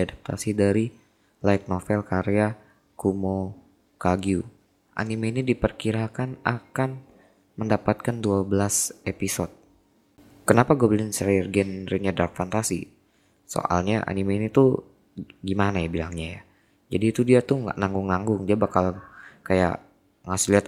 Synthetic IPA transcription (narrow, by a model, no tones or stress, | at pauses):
dadap̚t̪ʰa̰sidaɾi | laɪt̪̚nofɛlkaɾea | kumo | kaɡiu | ʔa̰nimeinidipərkiɾakanakan | məndapat̪̚kanduabəlasepisɔt̪̚ | kənapaɡobəlɪnsɾrɡɛnɾinɲadakfant̪asḭ | so̰ʔa̰lɲaʔa̰nimeinit̪u | ɡimanajabilaŋɲaja̰ | d͡ʒadiːt̪udiat̪uŋa̰ʔnaŋɡʊŋnaŋɡʊŋd͡ʒabakalakaja̰ʔ | ŋasɪliɦat̪̚